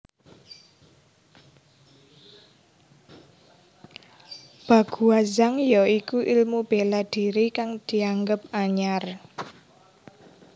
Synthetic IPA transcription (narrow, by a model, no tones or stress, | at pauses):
b̥a̤ɡ̥ṳazaŋjɔikuʔilmub̥elad̪̥i̤ɾikaŋd̪̥i̤aŋɡəp̚aɲar